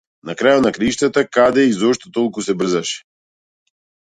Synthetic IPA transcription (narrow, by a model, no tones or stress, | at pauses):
nakɾajot̪nakɾaiʃt̪at̪akad̪ɛizɔʃt̪ɔt̪ɔlˠkusɛbr̩zaʃɛ̥